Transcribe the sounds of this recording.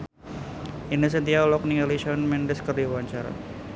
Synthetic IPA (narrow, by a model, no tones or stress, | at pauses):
inis̬ənt̪ialɔk̚niŋaliʃɔnmɛndɛskərdiwaɲt͡ʃaɾa̰